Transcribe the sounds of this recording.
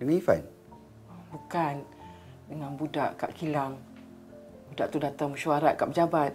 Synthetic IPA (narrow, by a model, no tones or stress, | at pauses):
ənifa̰n | bukan | dəŋãnbudaʔkaʔkilaŋ | budaʔt̪udat̪aŋmuʃuaɾat̪̚kaʔpəd͡ʒabat̪̚